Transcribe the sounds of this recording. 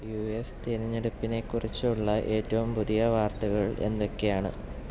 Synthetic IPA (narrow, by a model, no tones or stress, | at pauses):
juest̪iɾiɲːeɽupːine̞kːurit͡ɕːuɭːɐʔe̞ːtːɐʋumpuðijɐʋaːrt̪ɐɣɐɭe̞̰nːokːe̞jaːɳɨ̰